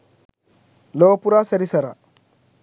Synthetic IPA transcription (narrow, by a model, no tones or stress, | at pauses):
lopuɾasɐɾisaɾa̰